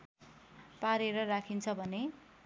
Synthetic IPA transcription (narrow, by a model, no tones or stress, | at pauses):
paɾeɾʌrakʰint͡sʰʌbʱʌne